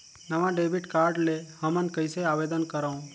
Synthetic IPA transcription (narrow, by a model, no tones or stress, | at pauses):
nəʋãɖebʱiʈkaːɾɖlehəmənkəjseaʋed̪ənkəɾaũ